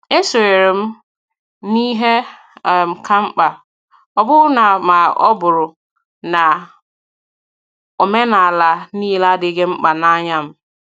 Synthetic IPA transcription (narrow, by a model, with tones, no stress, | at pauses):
e˦so˨e˨ɾɪ˨m˦ | nĩ˦ɦe˦˨ | m̩˨kʰã˦ŋ͡m̩˦k͡pa˨ | ɔ˨bʊ˦na˨mã˨ɔ̰˦bʊ˨ɾʊ˨ | nã˨ | ɔ˨mɛ˦nã˨la˨nĩ˦˨la˦de˨˦ɡe˦ŋ͡m̩˦k͡pa˨nã˦ɲã˦m˨